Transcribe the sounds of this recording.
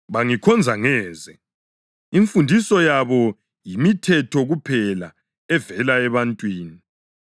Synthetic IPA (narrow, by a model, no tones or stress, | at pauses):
βaŋikʰɔnd͡zʱaŋɛːzɛ | iɱfundʱisɔjaβɔ | jimitʰɛtʰɔɣupʰɛla̰ | ɛvɛlaɛβantʼwiːni